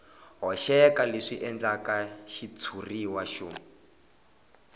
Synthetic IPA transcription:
ɦɔʃɛkaleʂiʔɛnd͡ɮakaʃit͡sʰuriwaʃuːmi

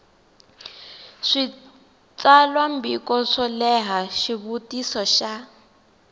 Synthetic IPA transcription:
ʂi | t͡salwambikɔʂɔlɛɦaʃiβutisɔʃa

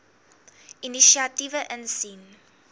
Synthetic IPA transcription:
iniʃiɐtivəʔənsin

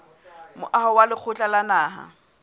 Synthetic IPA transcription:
mʊ̰ʔahɔwalɪk͡xʰʊt͡ɬʼalanaːɦa̰

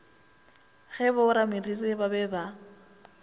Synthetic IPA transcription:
ɣɛbʊʊɾamiriribabɛba

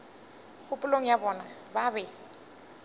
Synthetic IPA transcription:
k͡xʰʊpʼʊloŋ̩jabɔːna | babɛ

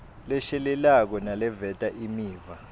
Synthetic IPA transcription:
lɛʃɛlɛlak̬ɔnalɛvɛtʼaʔimiːva

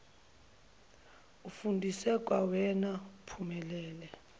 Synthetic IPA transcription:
ufundʱisɛk̬ʼwawɛnapʰumɛlɛːlɛ

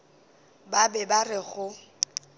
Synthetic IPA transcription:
babɛbarɪɣʊ

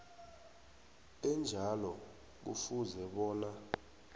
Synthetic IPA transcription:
ɛnd͡ʒʱalɔ | k̬ṵfuzɛɓɔːna

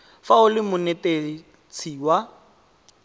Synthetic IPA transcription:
faʊlɪmʊnɛte | t͡sʰiːwa

